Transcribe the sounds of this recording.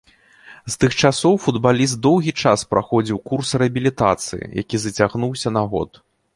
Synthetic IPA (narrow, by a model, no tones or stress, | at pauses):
st̪ɨxt͡ʂasɔwfud̪balʲist̪̚d̪ɔwɣʲit͡ʂaspɾaxɔd͡zʲiwkursrɛɐbʲilʲit̪at̪sɨ̰jḭja̰kʲizɐt͡sʲaɣnuwsʲɐnaɣɔ̰t̪